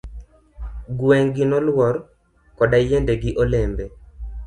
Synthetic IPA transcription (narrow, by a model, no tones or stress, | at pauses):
ɡwɛŋɡinɔlwɔɾ | kɔdajendeɡiʔolembe